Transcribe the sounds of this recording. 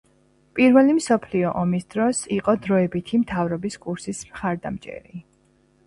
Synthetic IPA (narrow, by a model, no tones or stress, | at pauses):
pʼiɾvɛlimsɔpʰliɔʔɔmisd̪ɾɔsiqʼɔd̪ɾɔɛbit̪ʰimt̪ʰavɾɔbiskʼuɾsismχaɾd̪a̰mt͡ʃʼɛ̰ɾi